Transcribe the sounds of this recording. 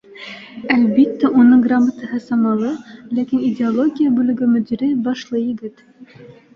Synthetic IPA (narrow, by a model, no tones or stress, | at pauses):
ælbit̪ːæʔunɤŋɡramːət̪ɤ̆ɦɤsɑmɑlˠɤlækinidʲeolˠoɡʲijabʉlɘ̆ɡɵmɵ̆d̪iɾɘbɑʃlˠɤjɘ̆ɡɘt̪